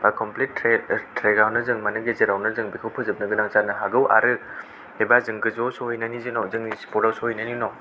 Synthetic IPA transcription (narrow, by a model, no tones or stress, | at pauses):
bakɔmplitɾetɾeɡawnɯzɯŋmɐnɯɡeziɾawnɯzɯŋbikʰɯwpʰɯzɯp̚nɯɡɯnaŋt͡ʃanɯɦaɡɯwʔa̰ɾɯ | ebazɯŋɡɯzosoɦɔjnɐnizinɔzɯŋnisi̥pɔɾawsohɔjnɐninɔ